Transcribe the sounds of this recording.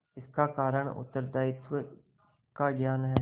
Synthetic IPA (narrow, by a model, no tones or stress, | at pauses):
ɪskakaːɾəɳ̃ʊ̰t̪ːəɾd̪aːɪt̪wə | kaɡjaːnɦɛː